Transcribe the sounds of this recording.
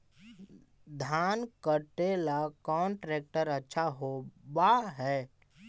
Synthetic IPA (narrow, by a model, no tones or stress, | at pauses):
d̪ʱaːnkəʈeːlakɔːnʈɾeːk̚ʈəɾətːʃʰaɦobaɦɛː